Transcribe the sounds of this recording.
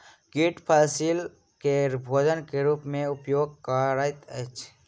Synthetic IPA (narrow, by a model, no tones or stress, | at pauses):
kiʈpʰaːsil | keɾbʱoːd͡ʒənkeɾuːpmẽʊpjoːɡ̚kaɾaːjt̪ət͡ʃʰ